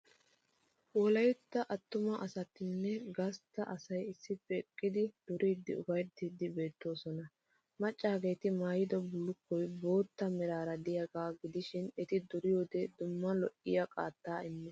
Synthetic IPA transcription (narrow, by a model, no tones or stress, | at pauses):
wɔlɐjt̪ːɐʔɐt̪ːʊmɐʔɐsɐt̪ːɪnːɛɡɐst̪ːɐʔɐsɐjɪsːɪpeːkʼːɪd̪ɪd̪̥ʊɾʔiːd̪ːɪʊbɐjt̪ːid̪ːɪbe̞ːt̪ːo̞ːsɔnɐ | mɐt͡ʃʼːaːɡe̞ːt̪ɪmaːjɪd̪ɔbʊlːʊkːɔjbo̞ːt̪ːɐmɛɾaːɾɐd̪ɪjɐɡaːɡɪd̪ɪʃɪnɛt̪ɪd̪ʊɾɪjo̞ːd̪ɛd̪ʊmːɐlɔʔɪjɐkʼa̰ːt̪ːaːɪmːɛ